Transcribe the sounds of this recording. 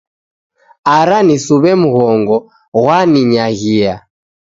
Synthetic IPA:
aɾanisuβɛmuɣɔŋɡɔ | ɣwaniɲaɣia

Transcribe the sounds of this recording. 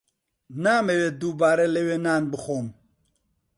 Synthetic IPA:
naːmewed̪ubaːɾelewenaːnbɨxoːm

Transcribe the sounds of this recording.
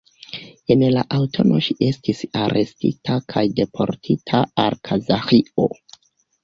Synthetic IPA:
enlaʔawtʰo̞nʔo̞ʃiʔe̞stisaɾʔe̞stḭtʰakʰajde̞pʰo̞̰ɾtʰitʰaalkʰazaxio̞̰

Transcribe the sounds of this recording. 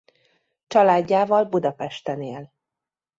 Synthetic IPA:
t͡ʃɒlaːɟːaːvɒlbud̪ɒpɛʃt̪ɛneːl

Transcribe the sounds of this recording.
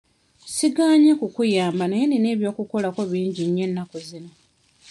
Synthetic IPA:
siɡaːɲekukujaːmbanajenine̞ːβjo̞ːkuko̞lako̞βiːɲɟiɲːe̞nːakozino̞

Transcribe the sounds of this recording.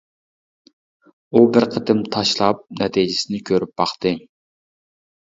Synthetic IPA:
ubɪɾqʰət̪ʰɨmt̪ʰɑʃlˠɑp̚nɛt̪ʰid͡ʒɪsɪnɪkʲʰøɾyp̚bɑχt̪ɨ

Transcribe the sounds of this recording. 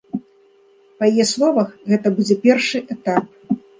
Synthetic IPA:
pɐjajɛslˠɔvɐxɣɛt̪ɐbud͡zʲɛpʲɛrʂɨʔɛt̪ap̚

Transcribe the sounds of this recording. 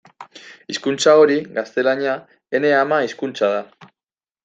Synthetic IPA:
iskunt͡sao̞ɾiɡast̪e̞laɲa | e̞ne̞amaiskunt͡sað̞a

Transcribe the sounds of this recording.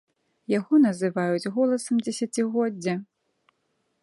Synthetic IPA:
jaɣɔnɐzɨvajud͡zʲɣɔlˠɐsɐmd͡zʲɛsʲat͡sʲiɣɔd͡zʲːɐ

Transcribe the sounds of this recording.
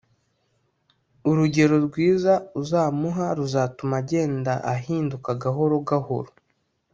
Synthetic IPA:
uɾuɟe̞ɾo̞ɾɡwiːzauzaːmuɦaɾuzaːtumaɟe̞ːndaʔahiːndukaɡaɦo̞ɾo̞ɡaho̰ɾo

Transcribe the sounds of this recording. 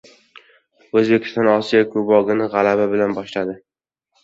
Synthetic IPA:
ɵzbekʲʰɪ̥st̪ɒnɒsijakʰʊbɒɡʲɪnɪʁalababɪlanbɒʃlad̪ɪ

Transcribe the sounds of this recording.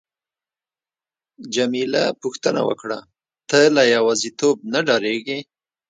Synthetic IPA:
d͡ʒamilapuxt̪əna̰wə̰kɽa̰ | t̪əlajawɑzit̪ob̚naɖɑɾeɡe

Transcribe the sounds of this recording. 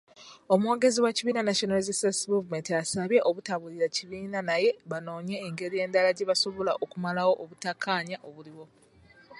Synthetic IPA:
o̞muwoɡe̞ziwaciβiːnanaʃonalzisasmuvume̞ntiasaβje̞ʔoβutaβuliɾaciβiːnanaje̞βano̞ːɲe̞ːŋɡe̞ɾije̞ːndalaɟe̞βaso̞βo̞laʔokumalawo̞ʔoβutakʰːaːɲaʔo̞βuliwo̞

